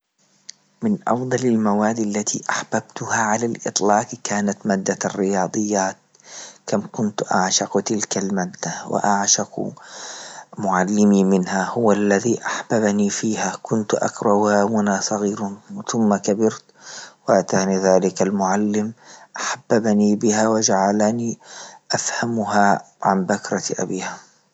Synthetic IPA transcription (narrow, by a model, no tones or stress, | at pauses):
mɪnʔɑ̰fd̪ˤɑlalmawaːd̪ːalːat̪ʰḭʔaħb̥abt̪ʊhaʕalalʔɨ̰t̪ˤlɑːqkaːnat̪maːd̪ːarːɪjɑːd̪ˤɨjːaːt̪̚ | kamkʊnt̪ʔa̰ʕʃɑqt̪ɪlkalmaːd̪ːawɪ̰ʔaʕʃɑq | mʊʕalːɪmimɪnhahʊwalːaðiːʔaħb̥abniːfiːhakʊnt̪ʔa̰kɾˤɑhaːmʊnasˤɑɣiːɾθʊmːakabɪɾt̪waʔat̪aːniðaːlɪkalmʊʕalːɪmʔaħabːabniːbɪhaːwad͡ʒaʕalaniːʔafhamʊɦa | ʕambakɾˤɑʔa̰biːha